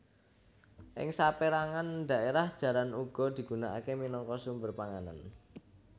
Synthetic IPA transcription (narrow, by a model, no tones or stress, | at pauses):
ʔɪ̰ŋsapeɾaŋand̪ä̤ʔeɾahd̥ʒ̥ä̤lanuɡ̥ɔ̤d̪̥i̤ɡ̥ṳnaʔa̰keminɔŋkɔsumbərpaŋana̰n